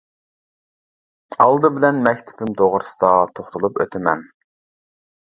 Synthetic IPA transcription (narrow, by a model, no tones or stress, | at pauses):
ɑlˠd̪ɨbɪlɛnmɛkʲt̪ʰɪ̥pɪmd̪oʁɾsɨ̥d̪ɑt̪ʰoχt̪ʰulˠupø̰t̪ʰɪmɛ̰n